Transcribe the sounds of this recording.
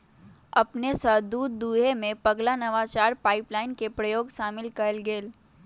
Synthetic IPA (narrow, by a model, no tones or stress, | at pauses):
ɐpnesəd̪uːd̪ːuːɦemẽpɐɡlanɐʋat͡ʃaːɾpaːɪplaːɪnkepɾɐjoːɡʃaːmɪlkɐɾəlɡeːl